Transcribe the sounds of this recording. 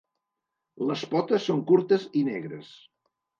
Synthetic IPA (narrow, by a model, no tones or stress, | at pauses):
ləspɔt̪əsːoŋkuɾt̪əzinɛɣɾə̰s